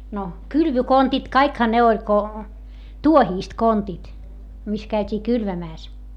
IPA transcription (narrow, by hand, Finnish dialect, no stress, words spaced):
no kylʋykontit kɑikhɑ ne olʲ ko tuohiːst kontit mis kæytʲiː kylʋæmæːs